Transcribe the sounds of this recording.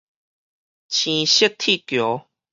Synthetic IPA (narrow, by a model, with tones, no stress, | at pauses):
t͡ɕʰĩ˧˩ɕə˦t̪ʰi˥˨kjo˨˦